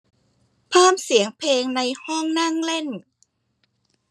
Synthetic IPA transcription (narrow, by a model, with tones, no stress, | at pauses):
pʰɤː˥˩msi˨˩˦əŋpʰeː˧ŋna˧jhɔ˥˩ŋna˥˩˨ŋle˥˩n